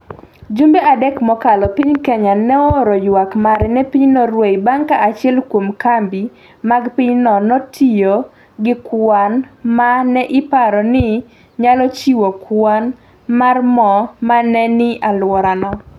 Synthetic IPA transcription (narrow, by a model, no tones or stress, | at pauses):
d͡ʒumbeadɛkmɔkalɔpiɲkɛɲanɛoɾɔjwakmaɾɛnɛpiɲnɔɾwejbaŋkaʔat͡ʃɪɛlkwomkambi | maɡpiɲnɔnɔtʰijo | ɡɪkwanmanɛʔɪpaɾɔnɪ | ɲalɔt͡ʃiwokwan | marmɔmanɛnɪalwɔɾanɔ